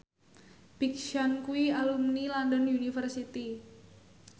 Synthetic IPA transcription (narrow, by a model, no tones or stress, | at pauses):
pik̚ʃankuialumnilandɔniunifərsit̪i